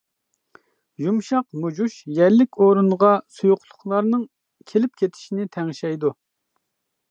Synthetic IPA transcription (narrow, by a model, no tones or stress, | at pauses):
ʒumʃɑqmud͡ʒuʃjɛɾlɪkʲoɾunʁɑsujʊqlˠʊχlˠɑɾnɨŋ | kʲʰelɪp̚kʲʰet̪ʰɪ̥ʃinɪt̪ʰɛŋʃɛjd̪u